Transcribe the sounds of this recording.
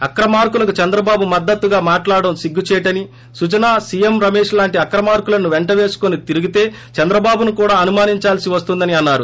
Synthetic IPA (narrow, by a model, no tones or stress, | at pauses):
ɐkɾɐmaːɾkulɐkut͡ʃɐnd̪ɾɐbaːbumɐd̪ːɐt̪ːuɡaːmaːʈlaːɽɐmsiɡːut͡ʃɛːʈɐni | sut͡ʃɐnaːsijemɾɐmeːʂlaːɳʈiɐkɾɐmaːɾkulɐnuʋeɳʈɐʋe̞ːsu̥konit̪iɾuɡit̪e̞ː | t͡ʃɐnd̪ɾɐbaːbunukuːɽaːɐnumaːniɲt͡ʃaːlsiʋɐst̪und̪ɐniɐnːaːɾu